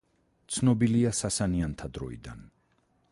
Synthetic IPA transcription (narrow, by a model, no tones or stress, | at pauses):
t̪sʰnɔbiliasasaniant̪ʰad̪ɾɔ̰ḭd̪an